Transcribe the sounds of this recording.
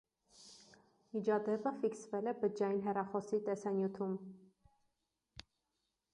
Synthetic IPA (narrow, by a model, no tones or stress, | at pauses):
mid͡ʒɑd̪ɛpəfiksvɛlɛbəd͡ʒɑjinɦɛrɑχɔsit̪ɛsɑnjut̪ʰum